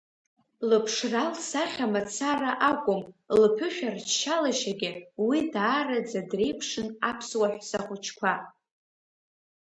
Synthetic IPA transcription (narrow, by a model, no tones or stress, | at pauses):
lɨpʰʂralsaχʲamat͡sʰaraʔakʷʼʊmlpʰʊʃᶣart͡ʃʃalaʃaɡʲɪwidaːrad͡zadre̞jpʰʂɨnapʰswaħʷᶣsaχʷʊt͡ʃʰkʷʰa